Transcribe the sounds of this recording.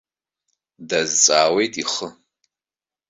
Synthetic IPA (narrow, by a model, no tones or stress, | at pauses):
dɐzɨt͡sʼaːwejtʼiχə